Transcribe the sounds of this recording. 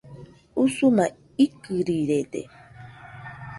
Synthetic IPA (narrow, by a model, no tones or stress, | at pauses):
usuna | ikɨɾiɾed̪ḛ